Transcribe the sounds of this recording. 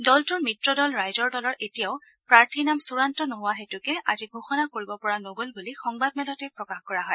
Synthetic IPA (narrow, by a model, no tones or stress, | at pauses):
dɔltʊɹmitɹɔdɔlɹajzɔɹdɔlɔɹetijaʊ | pɹaɹtʰinamsuɹantɔnoɦʊwaɦetʊkɛaziɡʱuxɔnakoɹibɔpɔɹanoɡolbulixɔŋbadmɛlɔtɛpɹɔkaxkɔɹaɦɔj